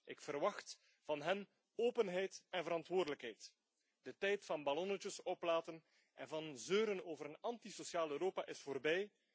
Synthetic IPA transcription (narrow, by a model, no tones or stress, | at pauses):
ʔɪkfərʋɑxt | vɑnɦɛn | oːpənɦɛjtɛnvəɾɑntwoːrdələkɦɛjt | d̥ətɛjtfɑnbalɔnət͡ʃəsɔplaːtən | ʔɛ̰nvɑnzøːɾənoːvəɾənɑntisosjaːløːɾoːpaʔɪsfoːrbɛj